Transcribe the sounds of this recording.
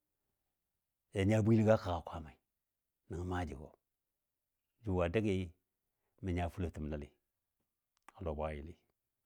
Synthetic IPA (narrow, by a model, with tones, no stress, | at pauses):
e˨ɲa˦˨bu˦i˦li˦ɡa˦ka˨ɣa˨kʷa˦ma˨i˨ | ni˨ŋ˨ma˦d͡ʒḭ˨ɡo̰˨ | d͡ʒu˨wa˨da˦ɡi˦ | mi˨ɲa˨fu˦lo˨ti˨m˨a˦lḭ˨ | a˨lo˨ba˦ji˨li˦